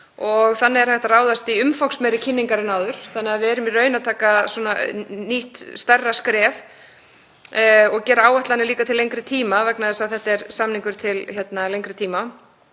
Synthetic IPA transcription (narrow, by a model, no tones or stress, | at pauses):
ɔɣθanːɪɛɾ̥θɛht̪araːwðast̪iʏmfawksmɛɾɪcʰɪnːiŋkaɾɪnaːwðʏɾ̥θanːɪaðvɪɛɾʏmirœːɥnat̪ʰaːkaswɔnaniht̪st̪ɛrːaskɾɛːv | ɔɣcɛːɾaaːwɛht̪lanːɪliːkat̪ʰɪlːejŋkɾɪt̪ʰiːmavɛknaðɛsaðθɛht̪ɛɾsamniŋkʏɾ̥t̪ʰɪlçjɛt̪nalejŋkɾɪt̪ʰiːma